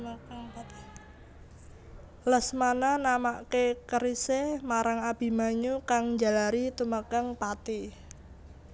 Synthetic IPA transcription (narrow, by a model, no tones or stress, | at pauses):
ləsmananamaʔkekəɾisemaɾaŋab̥i̤maɲukaŋɲd͡ʒa̤laɾit̪uməkəŋpat̪i